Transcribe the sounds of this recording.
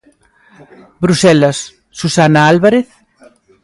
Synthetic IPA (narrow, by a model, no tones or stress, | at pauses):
bɾusɛlasː | usanaalβaɾeθ